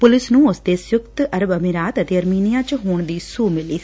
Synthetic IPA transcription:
pʊlɪsnũːʊsd̪eːsjʊkt̪əɾəbəmɪɾaːt̪ət̪eːəɾmiːnɪjaːt͡ʃɦuːɳd̪iːsuːmɪliː

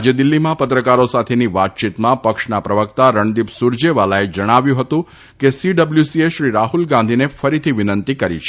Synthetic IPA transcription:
d͡ʒed̪ɪlːimãpət̪ɾəkaɾosat̪ʰeniʋat̪̚t͡ʃit̪mãpəkʃnapɾəʋəkt̪aɾəɳɖ̪ipsuɾd͡ʒeʋalaed͡ʒəɽ̃aʋjũɦət̪ũ | kesiɖəbljusieʃɾiɾaɦulɡãnd̪ʱinefəɾit̪ʰiʋɪnənt̪ikəɾḭt͡ʃʰe

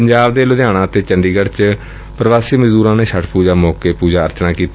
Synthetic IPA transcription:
pəɲd͡ʒaːbd̪eːlʊd̪jaːɽ̃ãːt̪eːt͡ʃəɳɖiːɡəɾt͡ʃ | pɾəʋaːsiːməzuːɾãːneːʃʰəʈʰpuːd͡ʒaːmɔːkeːpuːd͡ʒaːəɾt͡ʃnãːkiːt̪

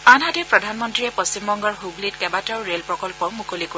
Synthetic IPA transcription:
anɦadipɹɔdʱanmɔntɹiɛpost͡ʃimbɔŋɡɔɹɦublitkɛbataʊɹelpɹɔkɔlpɔmukʰoliko

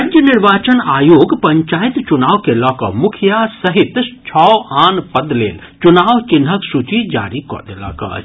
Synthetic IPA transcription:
aːd͡ʒjənɪɾʋaːt͡ʃənaːjoːɡpɐɲt͡ʃaːit̪t͡ʃʊnaːʋkelɔːkɔ̰mʊkʰjasɐɦit̪t͡ʃʰɔːaːnpɐd̪lḛːl | t͡ʃunaːʋt͡ʃɪnɦəksut͡ʃid͡ʒa̰ːɾikɔ̰ːd̪ela̰kɐ̰

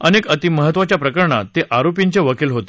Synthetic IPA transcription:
ənekət̪iməɦət̪ʋat͡ɕjapɾəkəɾɳa̰t̪eʔaɾopjiɲt͡ɕeʋəkilɦot̪e̥

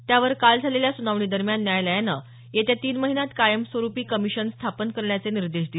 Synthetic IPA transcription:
t̪jaʋəɾkald͡zʱaleljasunaʋɳiːd̪əɾmjanːjajləjanə | jet̪jat̪iːnməɦinat̪kajəmsʋəɾupiːkəmiɕənst̪ʰapənkəɾɳjat͡seniɾd̪eʂd̪i

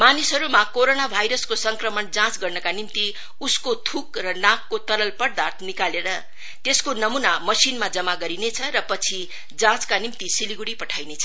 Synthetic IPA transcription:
manisɦʌɾumakoɾonabʱajɾʌskosʌŋkrʌmʌnd͡zãt͡sɡʌrnʌkanimt̪i | uskot̪ʰukrʌnãkːot̪ʌɾʌlpʌɽd̪art̪ʰnikaleɾʌ | t̪eskonʌmunamʌsinmad͡zʌmaɡʌɾinet͡sʰʌɾʌpʌt͡sʰi | d͡zãt͡skanimt̪isiliɡuɽipʌʈʰajnet͡sʰʌ

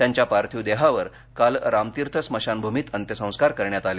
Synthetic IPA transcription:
t̪jaɲt͡ɕjapaɾt̪ʰid̪eɦaʋəɾ | kalɾamt̪iɾt̪ʰəsməɕanbʱumiːt̪ənt̪jəsə̃w̃skaɾkəɾɳjat̪ale

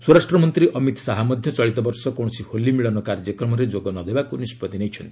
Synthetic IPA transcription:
suɾasʈɾɔmɔnt̪ɾiʔɔmit̪saɦamɔd̪ʱjɔt͡ʃɔɭit̪ɔbɔɾsɔkɔɽ̃ɔsiholːimiɭɔnɔkaɾd͡ʒɔkɾɔmɔɾed͡ʒoɡɔnɔd̪ebakunispɔt̪inejt͡ʃʰɔnt̪ii̥

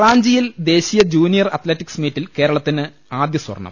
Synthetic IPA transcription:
raːɲd͡ʑijild̪e̞ːɕijɐd͡ʑuːnijɐrɐt̪letːiksmiːtːilke̞ːɾɐɭɐt̪ːinɨ | aːd̪jɐswɐ̰rɐɳːɐ̰m

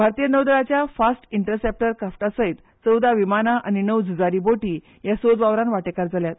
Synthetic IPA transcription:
bʱaɾt̪ijənəwd̪ɾat͡ɕjafasʈiɳʈəɾsep̚ʈəɾkafʈasəit̪ | t͡səwd̪ʱaʋimanaʔañinəwd͡zud͡zaɾiːboʈiː | jasod͡zʋaʋɾãnʋaʈekaɾd͡zaljat̪

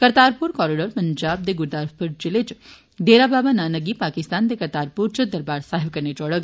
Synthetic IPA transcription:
kəɾt̪aːɾpuɾkɔːɾiɖəɾpəɲd͡ʒab̚d̪eɡuɾd̪aɾfpəɾd͡ʒɪlet͡ʃ | d̪eɾababananəɡipakist̪aːnd̪ekəɾt̪aɾpuɾt͡ʃʰəd̪əɾbaɾsaɦebkəɾned͡ʒɔɽəɡ

